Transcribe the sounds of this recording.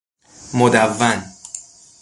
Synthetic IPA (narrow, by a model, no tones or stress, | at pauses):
mod̪ævːæn